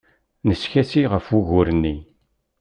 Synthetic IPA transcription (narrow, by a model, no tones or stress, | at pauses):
nəsçæsiʁəfuʝʊɾənːi